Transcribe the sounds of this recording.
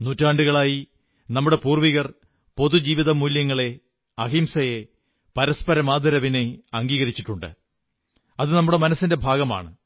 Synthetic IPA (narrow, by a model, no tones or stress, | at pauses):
nuːtːaːɳɖuɣɐɭaːji | nɐmːuɽe̞puːrʋiɣɐr | po̞ðud͡ʑiːʋiðɐmuljɐŋːɐɭe̞ | ɐɣimsɐje | pɐɾɐspɐɾɐmaːd̪ʱɐɾɐʋineɐŋɡiːɣɐɾit͡ɕːiʈːuɳɖɨ̰ | ɐðɨnɐmːuɽe̞mɐnɐsːinde̞bʱaːɡɐma̰ːɳɨ